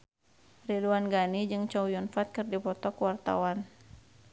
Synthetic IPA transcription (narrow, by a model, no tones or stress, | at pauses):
riduanɡanid͡ʒɨŋt͡ʃɔwjɔnfat̪̚kɨrdipɔt̪ɔkwart̪a̰wan